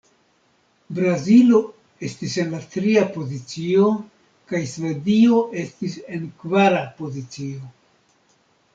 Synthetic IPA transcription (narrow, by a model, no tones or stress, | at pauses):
bɾazilo̞ | e̞stise̞nlatɾiapo̞zit͡sio̞ | kajsve̞dio̞ʔe̞stise̞nkvaɾapo̞zit͡sio̞